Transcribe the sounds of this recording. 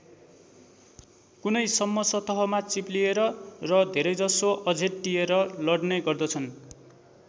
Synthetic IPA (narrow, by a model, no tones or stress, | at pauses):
kunʌjsʌmːʌsʌt̪ʌɦʌmat͡siplieɾʌrʌd̪ʱeɾʌjd͡zʌsoʔʌd͡zʱetʈijeɾʌlʌɽneɡʌrd̪ʌt͡sʰʌn